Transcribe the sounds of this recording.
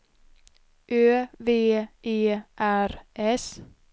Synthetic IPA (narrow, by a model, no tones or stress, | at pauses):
ʔøːʋeːʔeːʔæɾʔɛs